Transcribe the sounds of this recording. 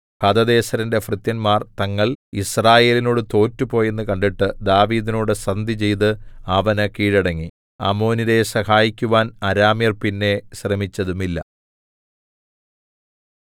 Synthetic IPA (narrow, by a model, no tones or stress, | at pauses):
hɐd̪ɐðe̞ːɕɐɾinde̞frɨt̪jɐnmaːrt̪ɐŋːɐɭisraːje̞ːlino̞ːɽɨt̪o̞ːtːupo̞ːje̞nːɨkɐɳɖiʈːɨd̪aːʋiːðino̞ːɽɨsrɐnd̪ʱit͡ɕe̞jt̪ɨɐʋɐnɐkiːɻɐɽɐŋːi | ɐ̰mo̞ːniɾe̞sɐhaːjikʲːuʋaːnɐɾaːmjɐrpinːe̞ɕrɐmit͡ɕːɐðumilːɐ̰